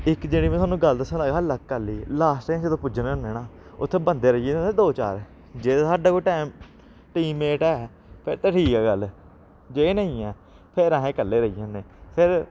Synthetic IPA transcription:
ɪkd͡ʒeːɽiːʋẽːwaːnũːɡəld̪əsənlaːɡaːlək̚kəliːlaːsʈẽt͡ʃeːt̪õːpʊd͡ʒənkəneːnaːʊt̪ʰːeːbənd̪eːɾəijẽːed̪oːt͡ʃa̰ːɾ | d͡ʒeːasaːɖaːkoːʈɛːm | ʈiːmeːʈɛː | pʰɪɾt̪eːʈʰiːkɛːɡəlː | d͡ʒeːnəĩːɛː | pʰɪɾaːɦẽːkəlːeːɾəiːjãːneːpʰɪɾ

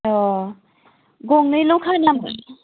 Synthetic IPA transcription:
ɔ | ɡoŋnɯjlowkʰanama

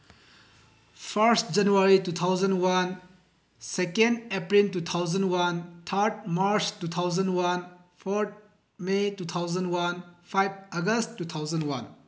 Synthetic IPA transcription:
pʰɐɾstd͡ʒɐnuaɾitut̪ʰawzɐnwan | sekendepɾiltut̪ʰawzɐnwantʰɐɾt̚maɾt͡ʃtut̪ʰawzɐndwanpʰoɾt̚ | metut̪ʰawzɐnwanpʰajb̚ɐɡɐstːut̪ʰawzɐndwan

